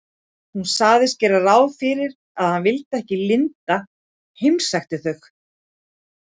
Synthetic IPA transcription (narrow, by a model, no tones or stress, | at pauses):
hunsaːɣðɪst̪cɛːɾaraːwfɪːɾɪɾ | aðhanvɪlt̪ɛhcɪlɪnt̪a | hɪjmsajxt̪ɪθœx